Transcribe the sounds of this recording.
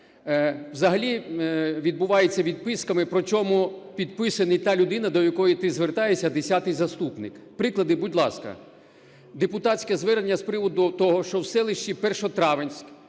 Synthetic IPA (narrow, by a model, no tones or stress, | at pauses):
wzɐɦɐlʲiʋʲid̪̚bʊʋɑjet͡sʲːɐʋʲid̪̚pɪskɐmɪpɾɔt͡ʃʲɔmupʲid̪̚pɪsɐnɪjt̪ɑlʲʊd̪ɪnɐd̪ɔjɐkɔjit̪ɪzʋert̪ɑjesʲːɐd̪esʲat̪ɪjzɐst̪upnɪkpɾɪklˠɐd̪ɪbudʲlˠɑskɐ̰ | d̪epʊt̪ɑsʲkɛzʋɛɾenʲːɐspɾɪʋɔd̪ʊt̪ɔɦɔʃt͡ʃɔwsɛlˠɪʃt͡ʃipɛrʃɔt̪ɾɑʋenʲsʲk